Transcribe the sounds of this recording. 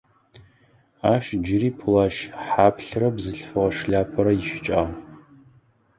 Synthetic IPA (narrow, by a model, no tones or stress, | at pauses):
aːʃd͡ʒɪɾiːpʰʊlaːʃħaːpʰɬrɐbzɨɬfɨʁɐʂɮaːpʰɐɾɐjɪʃɪ̥t͡ʃʼaːʁ